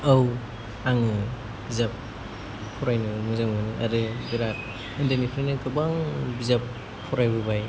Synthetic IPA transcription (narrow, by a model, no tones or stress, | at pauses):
aw | aŋɯ | bizap̚ | pʰːɔɾajnɯmɯzamanɯʔaɾɯbiɾat̚ | ɯndanipʰɾanɯɡɯbaŋbizap | pʰːɔɾajbɯbaj